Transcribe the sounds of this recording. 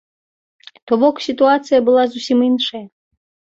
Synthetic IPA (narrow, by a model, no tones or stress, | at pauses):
t̪ɔbɔksʲit̪uat̪sɨjɐbɨlˠazusʲiminʂɐjɐ